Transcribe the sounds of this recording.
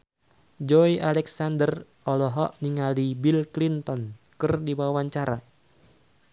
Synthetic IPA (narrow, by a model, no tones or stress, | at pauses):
d͡ʒɔialɛksandər | ɔlɔɦɔʔniŋalibilklint̪ɔnkɨrdiwawwaɲt͡ʃaɾa